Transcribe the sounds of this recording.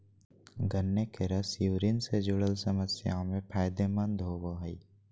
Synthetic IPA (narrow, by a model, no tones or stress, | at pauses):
ɡʱənːekeɾəsjuːɾiːnsed͡ʒʊɽəlsəməsja̰mẽpʰaːjd̪emɐ̃nd̪ʱɦoʋoɦəi